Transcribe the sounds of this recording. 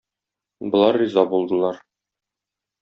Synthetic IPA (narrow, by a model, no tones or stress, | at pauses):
bŏlˠɑɾːizɑbulˠd̪ɤ̆lˠɑɾ